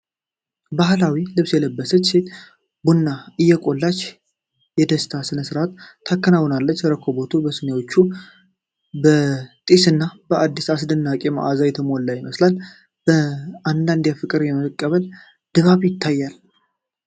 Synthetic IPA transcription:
baɦlawilɨβsjɛləbːəsət͡ʃːse̞t̪ | bunːaɨjːɛkʼo̞lːat͡ʃː | jɛd̪əst̪ʰasɨnəsɨɾʔat̪ʰːakːənawɔnalːət͡ʃːəɾəkʰːo̞bo̞t̪ʰubəsɨnewo̞t͡ʃːu | bət̪ʼisɨnːabəʔad̪ːisasd̪ɨnːakʼema̰ʔazajɛt̪ʰəmollːajɪməslal | b̥əand̪and̪jafɨkʼɨɾjɛməkʼːəβəl | d̪̥ɨβaβjɪt̪ʰːajːal

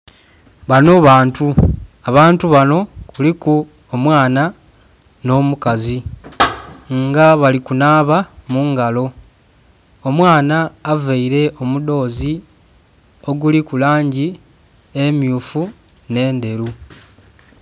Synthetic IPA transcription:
βano̞βaːntuaβaːntuβano̞kuliku | omwaːna | no̞ːmukazi | ŋɡaβalikunaːβamuŋɡalo̞ | omwaːnaːveiɾe̞ʔo̞mudo̞ːzi | o̞ɡulikulaːɲɟi | emjuːfu | ne̞ːnde̞ɾu

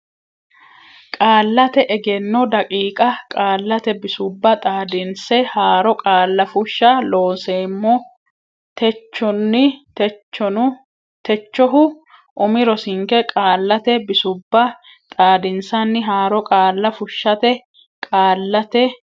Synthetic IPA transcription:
kʼaːlːɐt̪ɛʔɛɡɛnːɔd̪ɐkʼiːkʼɐkʼaːlːɐt̪ɛbɪsʊbːɐt̪ʼaːd̪ɪnsɛhaːɾɔkʼaːlːɐfʊʃːɐlo̞ːnseːmːɔ | t̪ɛt͡ʃːɔnːɪ | ʊ | t̪ɛt͡ʃːɔɦʊ | ʔʊmɪɾɔsɪŋkɛkʼaːlːɐt̪ɛbɪsʊbːɐ | t̪ʼaːd̪ɪnsɐnːɪɦaːɾɔkʼaːlːɐfʊʃːɐt̪ɛ | kʼaːlːɐt̪ɛ

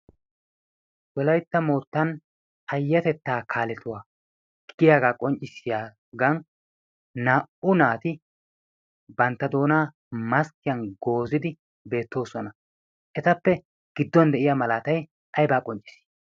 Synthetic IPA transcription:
wɔlɐjt̪ːɐmoːɾt̪ːɐn | ɐjːɐt̪ɛt̪ːaːkʰaːlɛt̪ʊwaː | ɡ̥ɪjaːɡaːkʼɔnt͡ʃʼɪsɪjaː | ɡɐn | naːʔʊnaːt̪ɪ | bɐnt̪ːɐd̪o̞ːnaː | mɐskɪjɐnɡo̞ːzɪd̪ɪ | be̞ːt̪ːo̞ːsɔnɐ | ʔɛt̪ɐpːɛ | ɡ̥ɪd̪ːɔnd̪ɛʔɪjamɐlaːt̪ɐj | ʔɐjbaːkʼɔnt͡ʃʼɪ̥si̥

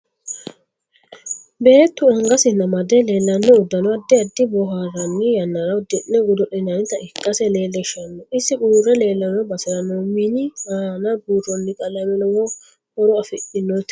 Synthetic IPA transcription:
be̞ːt̪ːʊɐŋɡɐsɪnɐmɐd̪ɛle̞ːlːɐnːɔːd̪ːɐnɔɐd̪ːɪɐd̪ːɪbɔɦaːrːɐnːɪjɐnːɐɾɐʊd̪ɛʔːɛɡʊd̪ɔʔɛnanɪt̪ɐɪkʼːɐsɛle̞ːlːɛʃɐnːɔʔɪsːɪɡuːrːɛle̞ːlːɐnːɔbɐsɪɾɐnːɔmɪnɪaːnabuːɾɔnːɪkʼɐlɐmɛlɔwɔ | ɔɾɔɐfɪʔɪnːɔt̪

